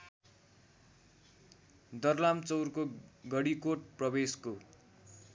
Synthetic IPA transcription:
d̪ʌrlamt͡sʌwrkoɡʌɽikoʈ̚prʌbesko

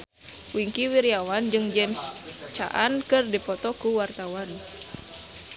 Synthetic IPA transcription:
wiŋkiwiɾiawand͡ʒɨŋd͡ʒɛms | t͡ʃa̰ʔankɨrdipɔt̪ɔkuwart̪awan

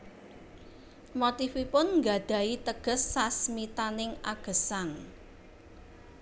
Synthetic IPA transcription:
mot̪ifipʊnŋɡa̤d̪̥a̤it̪əɡ̥ə̤sːasmit̪anɪŋaɡ̥ə̤saŋ

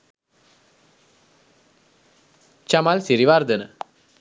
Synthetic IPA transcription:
t͡ʃɐmaːlsiɾiʋaːɾd̪ɐnɐ̰

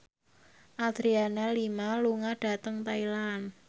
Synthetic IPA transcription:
ʔad̪̥ɾianalimaluŋaɖ̥a̤t̪əŋt̪ailan

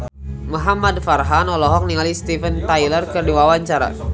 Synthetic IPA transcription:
muɦamadfarɦanɔlɔɦɔk̚niŋalist̪ifənt̪ajlərkərdiwawaɲt͡ʃaɾa̰

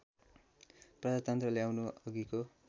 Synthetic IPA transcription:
prʌd͡zat̪ʌnt̪rʌljawnuʌɡiko

